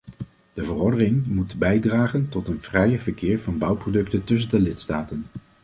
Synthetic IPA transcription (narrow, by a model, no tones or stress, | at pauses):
d̥əvərɔɹdərɪŋmutbɛjdraːχəntɔtənvrɛjəvəɹkɪːɹvɑnbʌwprodɵktəntɵs̬əndəlɪtstaːtən